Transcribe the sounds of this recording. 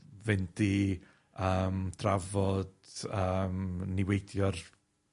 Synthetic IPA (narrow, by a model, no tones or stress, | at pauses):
vɛndi | əːmd̥ravɔd̥əmnɪwejdjɔr